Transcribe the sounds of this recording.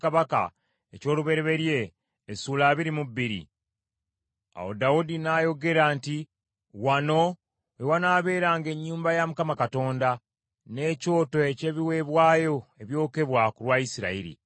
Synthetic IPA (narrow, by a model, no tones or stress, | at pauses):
kaβaka̰ | eco̞ːluβe̞ɾeβe̞ɾje̞ː | suːlaːβiɾimuβːiɾḭ | a̰wo̞̰daudinajo̞ɡe̞ɾaːnti | wano̞ | ewanaːβe̞ːɾaːŋɡe̞ɲːuːmbajamukamakato̞ːnda | ne̞co̞ːto̞e̞ce̞ːβiwe̞βwaːjo̞e̞βjo̞ːke̞βwakulwaisiɾa̰iɾḭ